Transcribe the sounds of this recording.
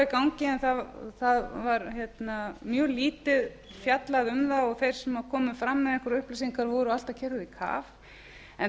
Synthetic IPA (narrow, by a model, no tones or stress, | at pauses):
ɪkawɲcɪɛnθaθaðvaɾçjɛt̪namjœːliːt̪ɪð | fjat̪laðʏmðaɔɣθejɾ̥sɛmaðkʰɔːmʏfɾamːɛðɛŋkɾʏhplɪsiŋkʰaɾvɔɾʏal̥t̪acʰɛɾðʏðikʰa̰ːv | ɛn